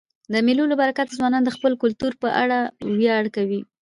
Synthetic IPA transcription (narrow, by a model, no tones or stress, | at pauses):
d̪əmelulobaɾakat̪zwɑnɑnd̪əxpəlkʊlt̪uɾpəʔa̰ɽawjɑɽkawi